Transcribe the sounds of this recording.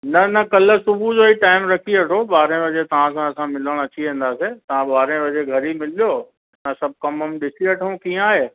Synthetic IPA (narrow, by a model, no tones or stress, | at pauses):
nɐnɐkɐl̆sʊbʱud͡ʑoːiʈaːɪmɾɐkʰiɐʈʰoɓaːɾẽʋɐd͡ʑet̪ɐʋ̤ãs̬ãɐsãmɪləɽ̃ɐt͡ɕiʋẽːn̆d̪aːset̪ɐʋãɓaːɾẽʋɐd͡ʑeɡʱɐɾimɪlijoː | ɪnasɐb̚ʱkɐməmɗɪsiɐʈʰəũkĩːə̃aːɦeː